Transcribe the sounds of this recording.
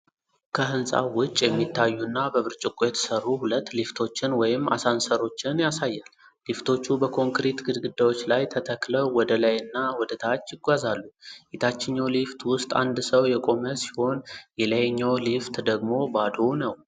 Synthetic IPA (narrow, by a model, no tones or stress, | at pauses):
kʰəɦɨnsʼa̰wʊt͡ʃʼːjɛmːit̪ʰːajːunːabəβɨɾt͡ʃʼɪkʷʼjɛt̪ʰsəɾuhulət̪ːlift̪ʰo̞t͡ʃːɪnwɔjɪmːa̰sansəɾo̞t͡ʃːɪnjasajːal | lift̪ʰo̞t͡ʃːubəkʰo̞ŋkɾit̪ɡɨd̪ɡɨd̪awo̞t͡ʃːlajt̪ʰət̪ʰəkləwwɔd̪əlajɨnːawɔd̪ət̪ʰat͡ʃːjɪɡʷazalːujet̪ʰat͡ʃːɪɲːawlift̪wʊst̪ʼa̰nd̪səwjɛkʼo̞məsi̥ho̞njɛləjeɲːawlift̪d̪əɡmo̞bad̪onəw